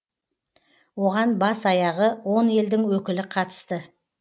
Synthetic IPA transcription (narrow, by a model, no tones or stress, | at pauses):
wo̞ʁɑnbɑsɑjɑʁəwo̞ne̞ld̪ɪŋwɵkʲɪlɪqʰɑt̪ə̥st̪ə